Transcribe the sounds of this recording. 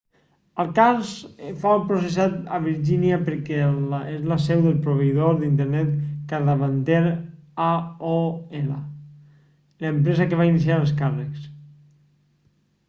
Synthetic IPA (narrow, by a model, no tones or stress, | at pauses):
əlˠkalzfaupɾusesat̪a̰β̞iɾʒiniapəɾkɛezlasɛwðəlˠpɾoβeiðoɾðint̪əɾnɛt̪kaðaβant̪eɾaoɛla̰ | ləmpɾɛzakeβainis̬iaəlˠs̬karəks